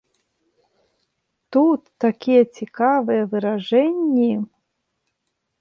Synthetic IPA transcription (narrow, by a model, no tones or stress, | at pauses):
t̪ut̪ːakʲijɛt͡sʲikavɨjɛvɨɾaʐɛnʲːi